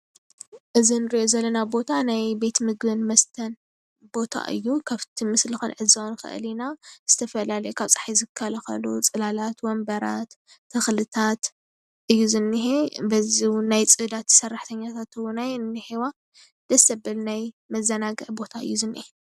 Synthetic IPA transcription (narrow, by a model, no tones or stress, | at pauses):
ʔɨzinɨɾiʔo̞zɐlːɐnabo̞t̪ʰanajbe̞t̪mɨɡbɨnmɐst̪ʰɐn | bo̞t̪ʰa̰ʔɨ̰jːukʰaβt̪ʰimɨslɨxunʕɨzanxɨ̰ʔɨ̰linaz̥ɨt̪ʰɐfɐlalɐjukʰaβt͡sʼḁħijzɨkʰːɐlɐxɐ̰lut͡sʼɨlalat̪wɔmbɐɾat̪ʰː | ɨxlɨt̪ʰat̪ | ʔɨjːuzɨnːiɦebɐziwnajt͡sʼɨd̪at̪sɐrːaħt̪ʰɐɲːat̪ʰat̪ɨwunajnːɨħewa | d̪ɐsɐbɐlnaj | mɐzːɐnaɡɨʕbo̞t̪ʰaɨjːuzɨnːihe